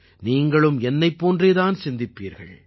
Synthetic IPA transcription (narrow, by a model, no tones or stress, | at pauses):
niːŋɡɐɭɯmɛnːɐɪpːoːndreːðaːnsɪnd̪ɪpːiːɾɣɐ̰ɭ